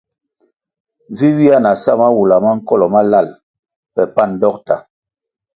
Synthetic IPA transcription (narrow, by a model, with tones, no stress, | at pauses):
vi˦wi˦a˦na˨sa˦˨ma˦wu˨la˨ma˦ŋ̩˦kɔ˦lɔ˨ma˦la˦˨l | pɛ˨pa˦˨n˨dɔ˦k̚ta̰˨